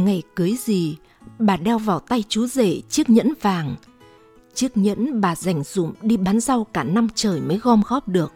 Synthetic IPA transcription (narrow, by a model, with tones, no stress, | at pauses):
ŋa˨˩jkɨ˨˦əjzi˨˩ | ɓaː˨˩ɗɛ˧wvaː˨˩wt̪a˧jt͡ɕu˨˦zḛ˧˩˨t͡ɕi˦˥ək̚ɲə̰˧˥nvaː˨˩ŋ | t͡ɕi˦˥ək̚ɲə̰˧˥nɓaː˨˩za˧˩jŋ̟z̥ʊ̰˧˥mɗi˧ɓaː˨˦nza˧wkaː˧˩na˧mt͡ɕəː˨˩jməː˨˦jɣɔ˧mɣɔ˦˥p̚ɗɨ˨˩ək̚